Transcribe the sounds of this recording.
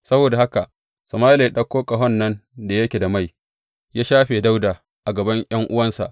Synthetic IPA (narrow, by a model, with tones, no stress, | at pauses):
sɐ˦boː˨da˨ha˦ka˨ʔ | sɐ˨maː˦le˨ɗɐ˦kʷːoː˦kʼɐ˨ɦɔ˦˨nːɐ˦nda˨jɐ˦kʲe˨da˨ma˦˨j | jaː˦ʃaː˦ɸeː˨da˦wdaː˨ | ʔa˨ɡɐ˨bɐ˦ɲj̰ɐ˦ŋʔʊ˦wɐ˦nsa̰˨ʔ